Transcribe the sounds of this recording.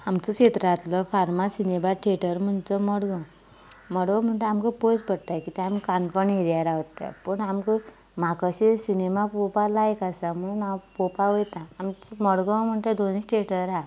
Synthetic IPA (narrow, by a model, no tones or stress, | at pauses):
amt͡sɔɕet̪ɾat̪lɔfaɾmasinebaʈʰeʈəɾm̤əɳt͡səməɽɡə̃ | məɽɡə̃m̤əɳʈ̪eamkəpojt͡spəɽt̪ajkit̪eamkanfəɳɦeɾjaɾaɦot̪ːa̰pəɳamkə | m̤akəɕisinemapopalaekasam̤əɭunawpopaʋojt̪ãːmiməɽɡə̃wm̤əɳʈ̪ed̪oniʈʰeʈəɾa